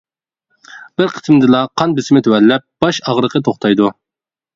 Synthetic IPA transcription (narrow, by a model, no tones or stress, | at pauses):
b̥ɪɾqʰə̥smd̪ɨlˠɑqʰɑnbɪsɪmɪt̪ʰøwɛlːɛp̚b̥ɑʃɑʁɾəqʰət̪ʰoχt̪ʰɑjd̪u